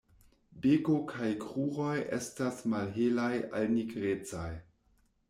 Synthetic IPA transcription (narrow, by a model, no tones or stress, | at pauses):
bekokʰajkʁuʁo̞jḛstasmalɦelaja̰lniɡɾet͡saj